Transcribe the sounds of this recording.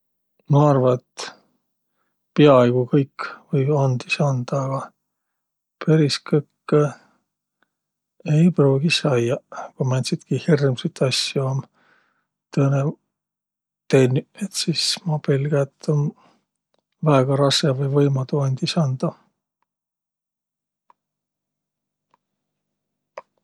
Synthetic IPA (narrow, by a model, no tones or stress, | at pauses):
mɑɑrvɑet̪ | peɑejɡ̥ukɤjkːvɤjbɑnd̪̥isɑnd̪̥ɑːɡ̥ɑ | peɾiskɤkː | ejpruːɡisɑjjɑkujmænʲsid̪̥kihirmsit̪ːˑɑsjuom | t̪ɤne | t̪enʲːyet̪sismɑpelɡ̥æt̪ːon | væeɡ̥ɑɾɑskevɤjvɤjmɑt̪uɑnʲd̪isɑnd̪̥ɑ